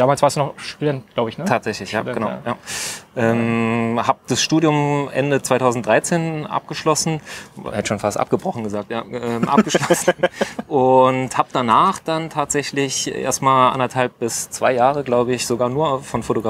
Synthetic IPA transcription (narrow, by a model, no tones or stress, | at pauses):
d̥aːmaːlsv̥aɐsd̥uːnɔʃɛnɡ̥laʊbəɪçnətʰaːtz̥ɛçlɪçja̰ːɡənaʊjaːʔɛːmhaːb̚d̥asʃtuːdjʊmʔɛ̰ndət͡sv̥aɪtʰaʊzn̩tdʁaɪt͡seːnʔa̰p̚ɡ̥əʃlɔsn̩hɛtəʃoːnfa̰stʔa̰p̚ɡ̥əbʁɔχn̩ɡəzaːk̚tjaːʔɛːmʔa̰pɡ̥əʃlɔsn̩ʔʊnthaːb̚d̥anaːχd̥antʰaːtz̥ɛçlɪçʔḛːɐstmaːlʔa̰ndɐthalp̚b̥ɪst͡sv̥aɪjaːʁəɡlaʊbəɪçz̥oɡaːɐnuːɐfɔnfotoɡʁa